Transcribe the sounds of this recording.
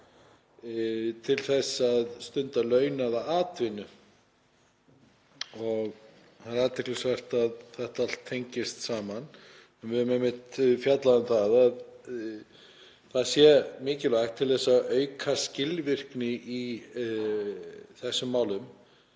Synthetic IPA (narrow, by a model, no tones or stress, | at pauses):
t̪ʰɪlθɛsːaðst̪ʏnt̪alœɥnaðaaːt̪vɪnʏ | ɔɣ | hanɾaːt̪ʰɛhklɪsvɛr̥t̪aðθɛht̪aal̥t̪ʰːejɲcɪst̪saːman | ɛnvɪðʏmɛmːɪht̪fjat̪laðʏmθaðað | θaðsjɛmɪːcɪlaxt̪ʰːɪlθɛsːaʔœɥkʰascɪlvɪr̥knɪʔi | θɛsːʏmːaːwlʏm